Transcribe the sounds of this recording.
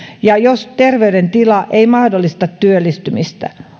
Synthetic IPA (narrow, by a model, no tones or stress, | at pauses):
jɑjost̪erʋeydent̪ilɑʔeimɑhdolːist̪ɑt̪tyølːist̪ymist̪æ̰